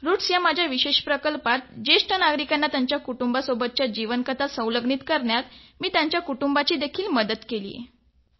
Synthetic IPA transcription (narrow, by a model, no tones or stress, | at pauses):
ɾuʈsjamad͡ʑʱjaʋiɕeɕpɾəkəlpat̪̚d͡ʑeʂʈənaɡɾikanːat̪jaɲt͡ɕjakuʈumbasobət̪̚t͡ɕjad͡ʑiʋənkət̪asə̃wləɡɳit̪kəɾɳjat̪miːt̪jaɲt͡ɕjakuʈumbat͡ɕiːd̪ekʰiːlməd̪ət̪kelḭːjḛ